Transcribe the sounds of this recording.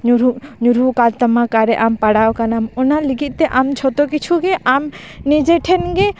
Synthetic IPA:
ɲuɾuɲuɾukalt̪əmakaɾɛʔampaɽawkanamɔnaliɡit̪̚ˀt̪ɛʔamt͡ʃʰɔt̪ɔkit͡ʃʰuɡɛʔam | nid͡ʒɛʈʰɛnɡɛ

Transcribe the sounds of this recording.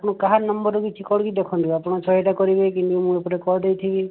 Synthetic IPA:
pɔɽ̃ɔkaɦaɾnɔmbɔɾukit͡ʃʰikɔɽkid̪ekʰɔnt̪iapɔɽ̃ɔt͡ʃʰɔɦiʈakɔɾibekint̪umũepɔɾekɔɾd̪ejt̪ʰibi

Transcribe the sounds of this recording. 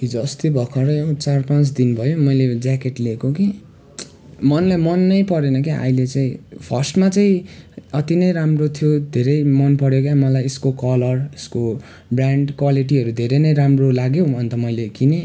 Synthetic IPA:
id͡zʌʌst̪ibʱʌkʰʌɾʌʌ̃t͡sarpãt͡sd̪inbʱʌjomʌjled͡zakeʈlekoki | mʌnlamʌnːʌjpʌɾenʌkia̰ilet͡saĩpʰʌrsʈmat͡saĩʌt̪inʌjɾamrot̪ʰijod̪ʱeɾʌjmʌnpʌɽjokjamʌlajeskokʌlʌresko | braɳɖkwaliʈ̬iʌɾud̪ʱeɾʌnʌjɾamrolaɡjoʌnt̪ʌmʌjlekine

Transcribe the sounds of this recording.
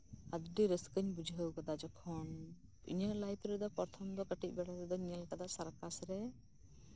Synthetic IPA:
ad̪ɖiɾəskəɲbud͡ʒʱɦəwkad̪ad͡ʒɔkʰɔn | ḭɲəʔlajpɾɛd̪ɔpɔɾt̪ʰɔmd̪ɔkəʈic̚ˀbɛɽaɾɛd̪ɔɲɛlkad̪aʔsaɾkasɾɛ

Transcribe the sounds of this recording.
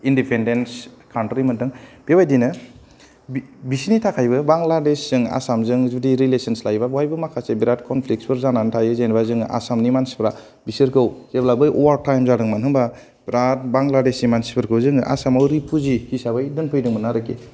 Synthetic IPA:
indipʰendenskʰawntɾimɯntʰɯŋb̥ewajdinɯ | bbisinitʰakʰajbɯbaŋladesːɯŋa̰samzɯŋzudiɾilesənslajbabajbɯmakʰasebiɾatkʰɔnpʰlik̚spʰɯɾzanantʰajɯzajnbazɯŋa̰samnimansi̥pʰɾa | bisɯɾkʰɯwz̥eblabɯjʔɔwaɾtajmzaɾɯŋmanɦɯŋba | bɾat̚baŋladesimansi̥pʰɯɾkʰɯwzɯŋʔa̰samawɾipʰuzikʰisabajdɯnpʰɯjdɯŋmɯnaɾɯke

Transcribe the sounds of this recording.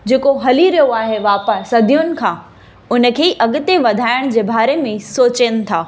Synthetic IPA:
d͡ʑeːkoɦɐliɾɐjoaːɦeʋaːpəsɐd̪ʱijʊnɪ̆kʰãː | ʊnə̆kʰeːʔɐɠʊt̪eʋɐd̪ʱaːɪɽ̃d͡ʑeːbaːɾemẽsoːt͡ɕəñɪ̆t̪ʰaː

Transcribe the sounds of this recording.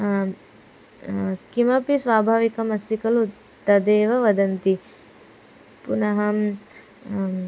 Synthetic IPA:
kimɐpisʋaːbʱaːʋikɐmɐst̪ikɐlut̪ːɐd̪eːʋɐʋɐd̪ɐnt̪i | punɐɦɐm

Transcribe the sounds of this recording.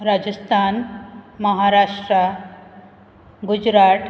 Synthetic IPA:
ɾad͡ʑəst̪ʰanməɦaɾaʂʈɾa | ɡud͡ʑɾaʈ

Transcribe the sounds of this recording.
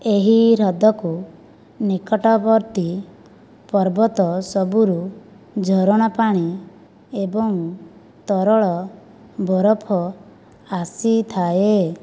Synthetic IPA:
eɦiɾɔd̪ɔku | nikɔʈɔbɔɾt̪i | pɔɾbɔt̪ɔsɔbuɾu | d͡ʒʱɔɾɔɽ̃ɔpaɽ̃i | ebɔŋ | t̪ɔɾɔɭɔ | bɔɾɔpʰɔ | asit̪ʰae

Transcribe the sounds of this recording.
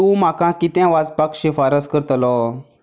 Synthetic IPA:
ũm̤akãkit̪ãʋad͡zpakɕefaɾəskəɾt̪lɔ

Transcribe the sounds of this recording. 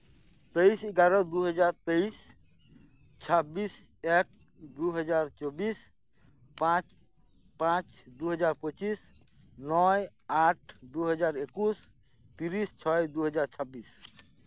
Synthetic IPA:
t̪ejseɡaɾəd̪uɦəd͡ʒaɾt̪əis | t͡ʃʰabis | ek̚d̪uɦəd͡ʒaɾt͡ʃɔbis | pãt͡ʃ | pãt͡ʃd̪uɦəd͡ʒaɾpət͡ʃis | nɔjaʈʰd̪uɦəd͡ʒaɾekus | t̪iɾist͡ʃʰɔjd̪uɦəd͡ʒaɾt͡ʃʰəbis

